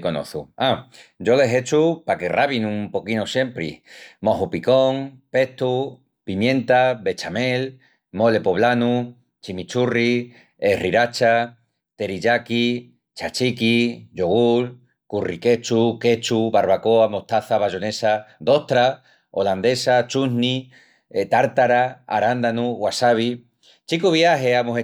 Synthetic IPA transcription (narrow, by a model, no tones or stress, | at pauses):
ko̞no̰θuad͡ʒo̞leɦe̞t͡ʃupake̞rʔaβinũmpo̞kinosje̞mpɾḭmo̞ɦupiko̞ŋpe̞ht̪u | pimjẽ̞nt̪aβe̞t͡ʃame̞l | mo̞le̞poβlanu | t͡ʃimit͡ʃuri | eriɾat͡ʃa | t̪e̞ɾiʎaki | t͡ʃat͡ʃikid͡ʒoɣul | kurike̞t͡ʃuke̞t͡ʃuβaɾβako̞amo̞ht̪aθaβaʒo̞ne̞sad̪o̞ht̪ɾa | oland̪e̞sat͡ʃunni | t̪aɾt̪aɾaa̰ɾand̪anuɣwasaβi | t͡ʃikuβjaɦeamoɦe